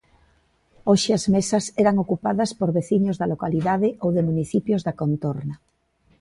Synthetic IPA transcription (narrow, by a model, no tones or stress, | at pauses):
oʃɪɐzmesɐsɛɾɐŋokupaðɐspoɾβeθiɲozðɐlokaliðaðɪʔowðemuniθipjozðɐkont̪oɾnɐ